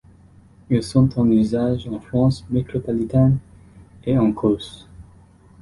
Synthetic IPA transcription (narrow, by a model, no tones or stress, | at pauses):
ilsɔ̃t̪ʰɑ̃nyzaʒɑ̃fχɑ̃smet̪χɔpɔlit̪an | eɑ̃kʰos